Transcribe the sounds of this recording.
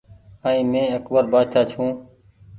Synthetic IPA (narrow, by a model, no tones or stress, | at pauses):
aːĩːmẽːəkbəɾbaːt͡ʃʰaːt͡ʃʰũː